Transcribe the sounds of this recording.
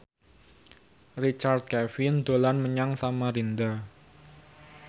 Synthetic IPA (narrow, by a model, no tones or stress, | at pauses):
rit͡ʃard̪̚kɛfind̪̥olanməɲaŋsamaɾind̪a